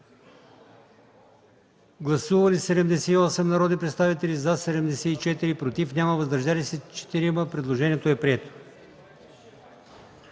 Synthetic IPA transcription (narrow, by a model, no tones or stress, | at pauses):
ɡlˠɐsuvɐlisɛd̪ɛmd̪ɛsɛiɔsɛmnɐɾɔd̪nʲipɾɛt̪st̪avit̪ɛlizasɛd̪ɛmd̪ɛsɛit͡ʃɛt̪iɾipɾot̪ifnʲaməvɐzd̪ɐɾʒalisɛt͡ʃɛ̥t̪iɾiməpɾɛd̪lˠoʒɛnʲiɛt̪oɛpɾiɛt̪o̥